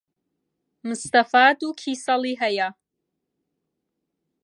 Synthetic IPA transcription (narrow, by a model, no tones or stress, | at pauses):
mɨst̪afaːdukʰiːsaliɦaja